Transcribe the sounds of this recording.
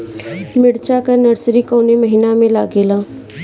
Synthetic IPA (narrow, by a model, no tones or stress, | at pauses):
mɪɽt͡ʃakɐnɐɾsɾikoːnemɐɦiːnamẽlaːɡelãː